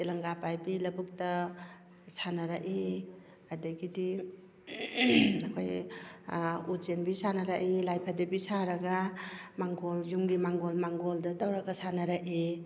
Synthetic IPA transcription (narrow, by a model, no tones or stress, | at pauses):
telɐŋɡapajbilɐbuk̚tɐ | sanaɾaʔi | adɐɡidi | akʰoj | ud͡ʒenbisanaɾaʔilajpʰadibisaɾɐɡamaŋɡoljumɡimaŋɡolmaŋɡoldɐdawɾaɡasanaɾaʔi